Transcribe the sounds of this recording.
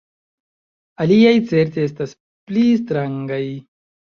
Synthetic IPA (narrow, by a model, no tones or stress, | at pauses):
aliajt͡se̞ɾt̪ees̬tas | plistɾaŋɡaj